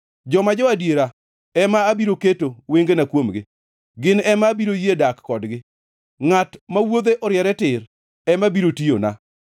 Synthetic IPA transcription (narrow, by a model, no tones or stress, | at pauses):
d͡ʒɔmad͡ʒɔadjeɾa | ɛmaːbiɾoketoweŋɡenakwomɡɪ | ɡɪnɛmabiɾojedakːɔdɡɪ | ŋatmawod̪eʔɔɾɪjɛɾɛtɪɾ | ɛmabiɾotio̰na̰